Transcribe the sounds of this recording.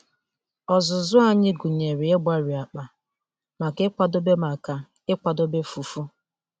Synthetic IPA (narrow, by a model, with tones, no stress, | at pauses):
ɔ˨zʊ˨zʊ˦a˦ɲɪ˦ɡu˨ɲe˨ɾi˨e˦ba˦ɾi˨a˨k͡pa˨ | ma˨kɪ˦k͡pʷa˨do˦be˦ma˨ka˨ | ɪ˦kʷa˨do˦be˦fu˨fu˦